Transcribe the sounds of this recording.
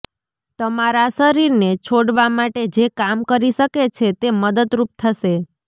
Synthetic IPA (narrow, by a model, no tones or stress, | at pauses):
t̪əmaɾaʃəɾiɾnet͡ʃʰoɽʋamaʈed͡ʒekamkəɾiʃəket͡ʃʰet̪eməd̪əd̪ɾup̚t̪ʰəʃe